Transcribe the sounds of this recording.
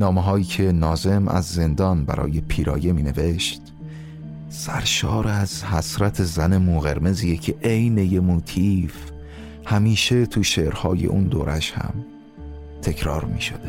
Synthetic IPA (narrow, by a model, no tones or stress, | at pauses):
nɒːmeɦɒːjiːcʰe̞nɒːze̞mʔæ̰zːe̞nd̪ɒːnbæ̰ɾʔɒ̰ːje̞pʰiːɾɒ̰ːje̞miːne̞ve̞ʃt̪ | sæɾʃɒːɾæzhæsɾæt̪ʰe̞zæne̞muːɣeɾme̞zijecʰeʔejne̞jemut̪ʰif | hæmiːʃe̞t̪ʰuʃeːʔɾhɒːje̞̰ʔṵːnd̪oːɾʔæʃhæ̰m | t̪ʰe̞cʰɾɒːɾmḭːʃo̰d̪e